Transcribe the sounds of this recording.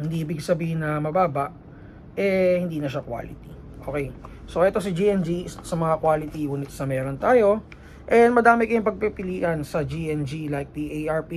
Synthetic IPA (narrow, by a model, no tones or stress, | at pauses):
hɪnd̪iʔiːbɪɡsɐbiːhɪnːɐmɐbaːbɐʔ | ʔɛhɪnd̪iːnɐʃakwa̰ːlɪ̰t̪i | ʔo̰kɛj | soʔɛt̪o̞s̬ɐd͡ʒiʔɛnd͡ʒisɐmɐŋakwaːlɪt̪iuːnɪt̪sɐmɛːɾont̪aːjo̞ | ʔɛnmɐd̪aːmɪkɐjʊŋpɐɡ̚pipɪliːʔɐnsɐd͡ʒiʔɛnd͡ʒilajk̚piʔejʔɐɹpi